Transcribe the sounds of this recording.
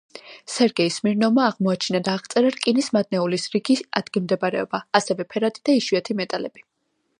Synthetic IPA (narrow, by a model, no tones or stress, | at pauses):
sɛɾɡɛismiɾnɔmaːʁmɔat͡ʃʰinad̪aːʁt̪sʼɛɾaɾkʼinismad̪̚nɛulisɾiɡia̰d̪̥ɡimd̪ɛbaɾɛɔbaːsɛvɛpʰɛɾat̪ʼid̪̥aiʃuat̪ʰimɛt̪ʼalɛb̥i